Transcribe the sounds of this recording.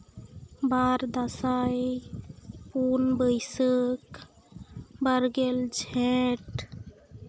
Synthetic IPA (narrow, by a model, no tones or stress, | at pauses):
baɾd̪əsaj | punbəɪsək | bəɾɡeld͡ʒʱɛ̃ʈ